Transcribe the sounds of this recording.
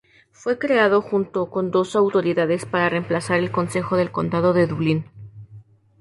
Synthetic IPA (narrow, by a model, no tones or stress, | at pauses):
fwe̞kɾe̞aðo̞xunt̪o̞ko̞nd̪o̞sawt̪o̞ɾiðaðe̞spaɾare̞mplasaɾe̞lko̞nse̞xo̞ðe̞lko̞nd̪að̞o̞ðe̞ðuβlin